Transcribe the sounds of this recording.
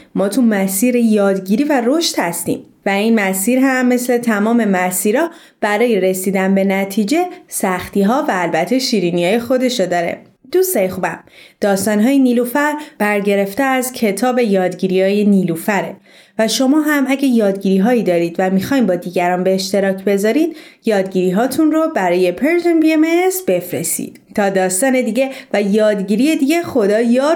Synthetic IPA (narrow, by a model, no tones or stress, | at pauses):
mɒːt̪ʰumæsiːɾejɒːd̪ɟiɾiːværoʃt̪hæst̪ḭːm | væinmæsiːɾɦæmːe̞sle̞t̪ʰæmɒːme̞mæsiːɾɒ | b̥æɾɒːje̞ɾe̞siːd̪ænbe̞næt̪ʰiːd͡ʒe̞sæxt̪iːɦɒːvæːlbæt̪ʰːe̞ʃiːɾiniɒːje̞xo̞d̪e̞ʃod̪ɒːɾe̞̰ | d̪̥usejexubæmd̪̥ɒːst̪ɒːnɦɒːjeniːlufæɾb̥æɾɟe̞ɾe̞ft̪eæzcʰe̞t̪ʰɒːbe̞jɒːd̪ɟiːɾiɒːjeniːlufæɾe̞ | væʃo̞mɒːɦæmæɟæjɒːd̪ɟiːɾiːɦɒːiːd̪ɒːɾiːd̪væmixɒːjmbɒːd̪iːɟæɾɒːnbeːʃt̪e̞ɾɒːcʰbe̞zɒːɾiːd̪̥jɒːd̪ɟiːɾiːɦɒːt̪ʰunrobæɾɒːje̞pʰeɾʒenbiemesbe̞fɾḛst̪ḭːd̪̥t̪ʰɒːd̪ɒːst̪ɒːne̞d̪iːɟe̞væjɒːd̪ɟiːɾiːje̞d̪iːɟe̞xo̞d̪ɒːjɒː